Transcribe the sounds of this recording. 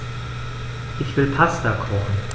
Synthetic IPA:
ʔɪçv̥ɪlpʰastɐkʰɔχn̩

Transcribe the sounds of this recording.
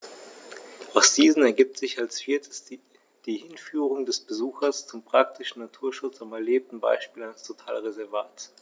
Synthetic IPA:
ʔaʊsz̥iːzn̩ɛɐɡiːp̚tz̥ɪçalsfiːɐtʰɪs | d̥iːhɪnfyːʁ̞ʊŋdɛsb̥əzuːxɐst͡sʊmpʁ̥ak̚tʰɪʃn̩nːatʰuːɐʃʊt͡samɛɐleːp̚tn̩ba̰ɪʃpiːlanəstʰotʰaːlʁezɛɐvaːt

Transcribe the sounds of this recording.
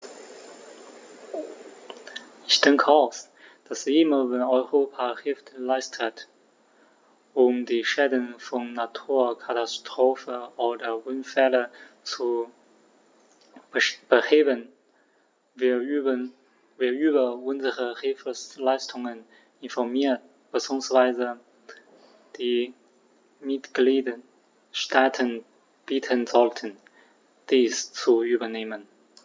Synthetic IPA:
ʔɪçd̥ɛŋkʰəaʊs | d̥asɪməvɛnɔʏʁoːpʰahɪlftlaɪstʰət | ʔʊmdiːʃɛːdənfɔnːatʰuːɐkʰatastʁ̥oːfəoːdɐvʊnfɛlə | t͡su | b̥əheːbən | vi | viːɐʔyːbɐʊnzəʁəhɪlfəslaɪstʰʊŋən | ɪnfɔɐmiːɐt̚ | b̥ət͡suŋsv̥aɪzə | d̥iː | mɪtɡ̥liːdə | ʃtʰaːtʰən | b̥iːtʰənzɔltʰən | d̥iːst͡suyːbɐneːmən

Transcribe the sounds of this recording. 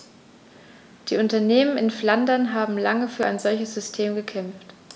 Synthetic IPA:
d̥iːʊntɐneːmənɪnflandɐnɦaːbm̩laŋəfyːɐʔa̰ɪnzɔlçəsz̥ʏstʰeːmɡəkʰɛmft

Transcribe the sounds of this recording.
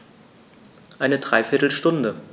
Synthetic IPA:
ʔaɪnədʁaɪfɪɐtl̩ʃtʊndə

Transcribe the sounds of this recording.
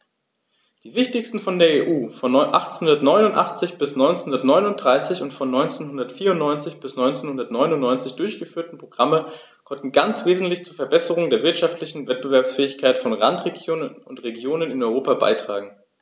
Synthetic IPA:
d̥iːvɪçtɪçstn̩fɔndeːɐeːʔuːfɔnɔnʔa̰χt͡snhʊndɐtnɔʏnʊntʔaχt͡sɪçb̥ɪsnɔʏnt͡senhʊndɐtnɔʏnʊnt̚d̥ʁaɪsɪçʊntfɔnːɔʏnt͡seːnɦʊndɐtfiːɐʊntnɔʏnt͡sɪçb̥ɪsnɔʏnt͡seːnhʊndɐtnɔʏnʊntnɔʏnt͡sɪçd̥ʊɐçɡ̥əfyːɐtn̩pʁ̥oɡ̥ʁamə | kʰɔntn̩ɡant͡sv̥eːzn̩tlɪçt͡suːɐfɛɐbɛsəʁ̞ʊŋdeːɐvɪɐtʃaftlɪçn̩vɛt̚b̥əvɛɐpsfɛːɪçkʰaɪtfɔnʁa̰ntʁ̥eɡjoːnənʊntʁeɡjoːnənɪnɔʏʁoːpaba̰ɪtʁ̥a̰ːɡŋ̩

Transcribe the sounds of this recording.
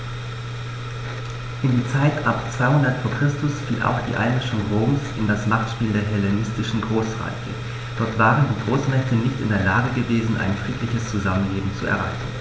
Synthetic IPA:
ʔɪndiːt͡saɪtʰʔapt͡sv̥aɪhʊndɐtfoːɐkʁ̥ɪstʊsfiːlʔa̰ʊxd̥ḭːʔa̰ɪnmɪʃʊŋʁoːmsɪndasmaχtʃpiːldeːɐɦɛlenɪstɪʃn̩ɡʁoːsʁa̰ɪçə̰ | d̥ɔɐtv̥aːʁəndiːɡʁoːsmɛçtənɪçtɪ̰ndeːɐlaːɡəɡəveːzn̩ʔa̰ɪnfʁ̥iːtʰlɪçəst͡suzamənleːbm̩t͡suɛ̰ɐʁaɪçn̩

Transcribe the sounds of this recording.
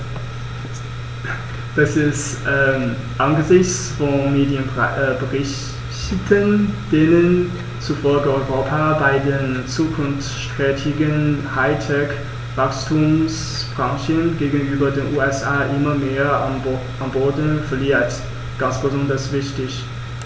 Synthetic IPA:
d̥asɪstʔɛ | ʔanɡəzɪçt͡s | fɔnmeːdjənbəʁɪç | tənd̥enən | t͡sufɔlɡəɔʏʁoːpʰabaɪdeːnt͡suːkʰʊnft͡sʃtʁ̥ɛːtʰɪɡənhaɪtʰɛk | v̥akstʰums | b̥ʁaŋʃənɡeːɡn̩ʔyːbɐdeːnʔuːɛsʔaːʔɪmɐmeːɐa̰m | ʔamboːdn̩fɛɐliːɐt | ɡ̥ansb̥əzɔndɐsv̥ɪçtɪç

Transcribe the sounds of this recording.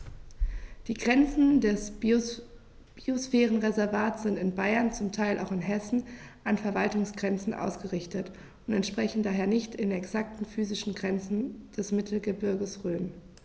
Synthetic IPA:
d̥iːɡʁɛnt͡sn̩dɛs | b̥iosfɛːʁənʁezɛɐvaːtsz̥ɪntɪnbaɪɐnt͡sʊmtʰaɪlʔa̰ʊxɪnɦɛsn̩ʔanfɛɐvaltʊŋsɡ̥ʁɛnt͡sn̩ʔa̰ʊsɡ̥əʁɪçtət | ʊntɛntʃpʁ̥ɛçn̩daːɦeːɐnɪçtɪnɛksak̚tn̩fyːzɪʃn̩ɡʁɛnt͡sn̩d̥ɛsmɪtʰl̩ɡəbɪɐɡəsʁøːm

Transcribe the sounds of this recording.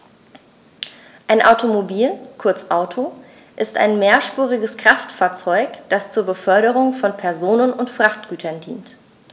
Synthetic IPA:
ʔaɪnʔaʊtʰomobiːlkʰʊɐt͡sʔaʊtʰo | ʔɪsta̰ɪnmeːɐʃpuːʁɪɡəskʁ̥aftfaːɐt͡sɔʏkd̥ast͡suːɐbəfœɐɾəʁ̞ʊŋfɔnpʰɛɐzoːnənʊntfʁ̥aχtɡ̥yːtʰɐndḭːnt

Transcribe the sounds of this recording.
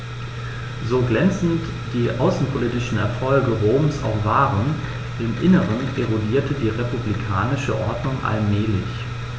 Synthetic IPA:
zoːɡlɛnt͡sn̩t | d̥iːʔa̰ʊsn̩pʰoliːtɪʃn̩ɛ̰ɐfɔlɡəʁoːmsa̰ʊxv̥aːʁən | ɪmʔɪnəʁənʔeʁodiːɐtədiːʁepublikʰaːnɪʃəʔɔɐdnʊŋʔa̰lmɛːlɪ̰ç

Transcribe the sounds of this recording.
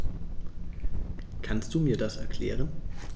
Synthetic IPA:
kʰanst̚d̥uːmiːɐdasɛɐkʰl̥ɛ̰ːʁ̞ən

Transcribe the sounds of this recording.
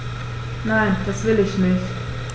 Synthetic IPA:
nãɪnd̥asvɪlɪçnɪçt

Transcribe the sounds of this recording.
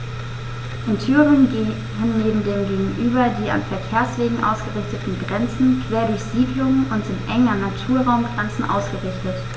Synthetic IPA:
ʔɪntʰyːʁɪn | ɦɪnneːbm̩deːmɡeːɡŋ̩ʔyːbɐdiːa̰nfɛɐkʰeːɐsv̥eːɡŋ̩ʔa̰ʊsɡ̥əʁɪçtətn̩ɡʁɛnt͡sn̩kʰv̥eːɐɾʊɐçz̥iːdlʊŋənʔʊntɪnʔɛŋɐnatʰuːɐʁaʊmɡʁɛnt͡sn̩ʔa̰ʊsɡ̥əʁɪçtət

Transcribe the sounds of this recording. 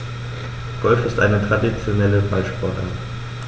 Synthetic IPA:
ɡ̥ɔlfɪstʔa̰ɪnətʁ̥adit͡sjonɛləbalʃpɔɐta̰n

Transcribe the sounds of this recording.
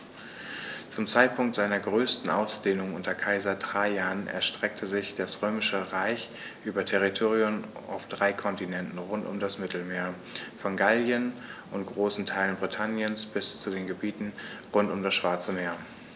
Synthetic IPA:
t͡sʊmt͡saɪt̚pʰʊŋktz̥aɪnɐɡʁøːstn̩ʔa̰ʊsd̥eːnʊŋʔʊntɐkʰaɪzɐdʁaɪjaːnɛ̰ɐʃtʁ̥ɛk̚tʰəzɪçd̥asʁøːmɪʃəʁaɪç | ʔyːbɐtʰɛʁitʰoːʁiʊmʔa̰ʊfd̥ʁaɪkʰɔntinɛntn̩ʁʊntʊ̰mdasmɪtl̩meːɐ | fɔnɡaljənʔʊntɡ̥ʁoːsn̩tʰaɪlənbʁitʰanjənsb̥ɪst͡sudeːnɡəbiːtn̩ʁʊntʊmdasʃv̥aɐt͡səmeːɐ

